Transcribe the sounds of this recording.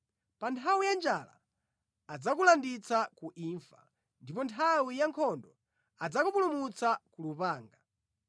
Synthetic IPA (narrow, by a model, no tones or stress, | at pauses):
pantʰawijand͡ʒala̰ː | d͡zakulandit͡sakuʔiɱfa̰ | ndipɔntʰawijaŋkʰɔndɔ | ad͡zakupulumut͡sakulupaːŋɡa